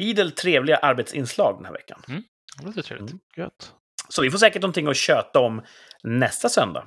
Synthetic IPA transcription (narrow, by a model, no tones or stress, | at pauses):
iːd̪əlt̪ʰɾeːvlɪɡaʔaɾbet̪sɪ̰nslɑ̰ːɡ̚d̪ɛnhæ̰ɾvɛ̰kːa̰n | d̪ɛt̪ʰɾḛlɪɡ̥œt̪ː | sɔvɪfoːʂɛːkəʈ̚nɔnt̪ɪŋːɔɕøːt̪aɔm | nɛst̪asœnd̪a̰